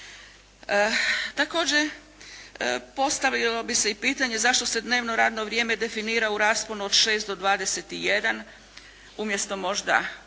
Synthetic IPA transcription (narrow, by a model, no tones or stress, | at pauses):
t̪ako̞ːd͡ʑe | po̞st̪aʋʎilobiseipiːt̪aɲe̞zaʃt̪o̞se̞d̪ne̞ːʋno̞ɾaːd̪no̞ʋɾje̞ːme̞d̪e̞finiːɾauɾaːsponuod̪ʃe̞ːst̪d̪o̞d̪ʋaːd̪e̞set̪ije̞d̪an | umje̞st̪o̞mo̞ʒd̪a̰